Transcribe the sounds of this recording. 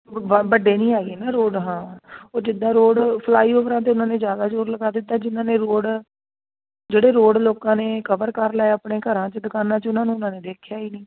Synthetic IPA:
bəɖeːnĩːaːɡeːnaːɾoːɖɦãːoːd͡ʒɪd̪ːãːɾoːɽpʰlaːiːʊʋɾãːt̪̬eːʊnãːneːzjaːd̪aːd͡ʒoːɾləɡaːd̪ɪt̪ːaːd͡ʒɪnãːneːɾoːɽ | d͡ʒeːɽeːɾoːɽloːkãːneːkəʋəɾkəɾlaːeapɳeːkəɾãːt͡ʃəd̪əkaːnãːt͡ʃʊnãːnũːʊnãːneːd̪eːkʰjaːɦiːnĩː

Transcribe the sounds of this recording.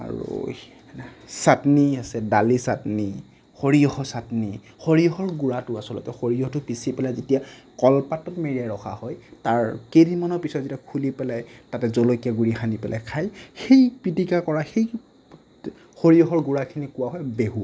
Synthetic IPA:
a̰ɹṵ | satniasɛdalisatni | xoɹijɔxɔsatni | xoɹiɔhɔɹɡuɹatʊasɔlɔ̰tɛxoɹijɔhɔtʊpisipɛlajzetijakɔlpatɔtmeɹijajɹɔxʰa̰hɔjtaɹkedimanɔpisɔtzetiakʰulipɛlajtatɛzolokijaɡuɹixanipɛlʔa̰jkʰajxejpɹitikakɔɹaxej | xoɹiɔɦɔɹɡuɹakʰinikʊwaɦɔjbeɦua̰

